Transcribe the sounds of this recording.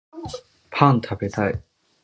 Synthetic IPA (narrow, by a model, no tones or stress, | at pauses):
pʰãnt̪ʰabet̪ai